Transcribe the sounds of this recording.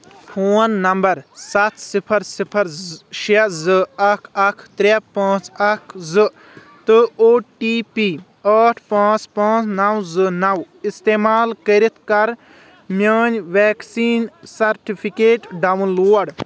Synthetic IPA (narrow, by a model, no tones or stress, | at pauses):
pʰoːnːɐmbɐɾsɐt̪ʰsipʰɐɾsipʰɐɾʃezɨɐkʰɐkʰt̪ɾepãːt͡ʃɐkʰzɨ | t̪ɨoːʈiːpiː | ɐːʈʰpãːt͡ʃpãːt͡snɐwzɨnɐw | ist̪eːmaːlkəɾit̪ʰkɐɾ | mʲɐːnʋɛːksiːnsɐɾʈipʰikeːʈɖɐwnloːɖ